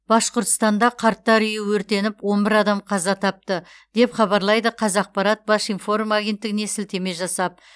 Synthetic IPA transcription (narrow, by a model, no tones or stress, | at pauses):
b̥ɑsqoɾt̪əst̪ɑnd̪ɑqʰɑɾt̪ːɑɾʏjɪwɵɾt̪e̞nɪpwo̞nbɪɾɑd̪ɑmqʰɑzɑt̪ʰɑp̚t̪ə | d̪̥e̞pχɑbɑɾlˠɑjd̪əqʰɑzɑq̚pɑɾɑt̪̚bɑʃinfo̞rumaɡʲe̞nt̪ːɪɡʲɪne̞sɪlt̪e̞me̞ʒɑsɑp̚